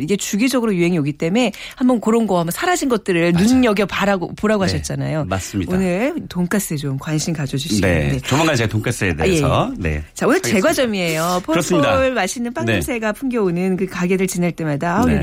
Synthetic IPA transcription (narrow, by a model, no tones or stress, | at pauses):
iɡe̞t͡ɕuɡid͡ʑʌɡɯɾojuɦe̞ŋioɡit͈e̞me̞ | hambʌnkɯɾʌnɡʌambʌnsʰaɾad͡ʑinɡʌt̚t͈ɯɾɯɭnunːʌɡjʌpaɾaɡopoɾaɡoɦaɕʰʌt̚t͡ɕ͈ana̰jomas͈ɯmɲionɯɭtoŋkʰas͈ɯet͡ɕomkwanɕʰimkad͡ʑʌd͡ʑuɕʰiḛde̞t͡ɕʌmaŋɡant͡ɕeɡatoŋkʰas͈ɯḛdḛjeʌne̞̰t͡ɕaonɯɭt͡ɕe̞ɡwad͡ʑʌmie̞jopʰoɯɾʌsmɲidaɭmaɕʰinɯnp͈aŋn͈sʰe̞ɡapʰuŋɡjʌonɯnkɯkaɡe̞ɾɯɭt͡ɕinaɭt͈e̞madaonɯ